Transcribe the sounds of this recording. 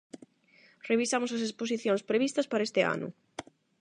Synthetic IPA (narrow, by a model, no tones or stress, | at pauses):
reβisamʊsɐs̬espos̬iθjoŋspɾeβ̞ist̪ɐspaɾɐest̪ɪa̰nʊ̰